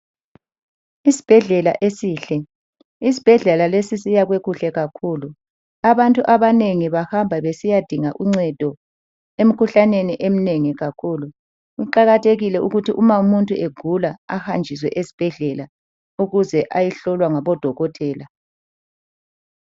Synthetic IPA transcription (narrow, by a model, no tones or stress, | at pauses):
isi̥b̥ʱɛɮɛla̰ʔesiːɬɛ | is̬i̥b̥ʱɛɮɛlalesisijaɣweɣuɬɛɣakʰuːlu | aβantʼuʔaβaneŋiβahambʱaβesijad̥ʱiŋaʔuŋ͡ǀɛd̥ʱɔ | em̩kʰuɬaneniʔem̩neŋiɣakʰulu | uǃaɣatʰeɣilɛuɣutʰiʔumaumuntʼueɡ̥ʱulaahand͡ʒʱis̬wɛʔesi̥b̥ʱɛɮɛla | uɣuzɛʔajiɬɔlwaŋaβɔd̥ʱɔɣɔtʰʼɛːla